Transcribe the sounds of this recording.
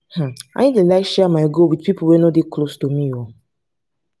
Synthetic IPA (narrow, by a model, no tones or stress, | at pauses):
h̩a̰nidelaɪʃɛmaɪɡowidpipol̩wɛnɔɡekʰlostumio